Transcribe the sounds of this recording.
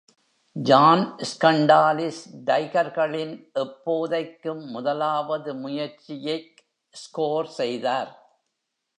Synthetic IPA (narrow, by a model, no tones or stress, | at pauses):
d͡ʒaːnskɐɳɖaːlɪsɖɐɪɣɐɾɣɐɭɪnʔɛpːoːðɐɪkːɯmːʊðɐlaːʋɐðɯmʊjɐɾt͡ʃɪjɐɪ | skoːɾsɛjðaːɾ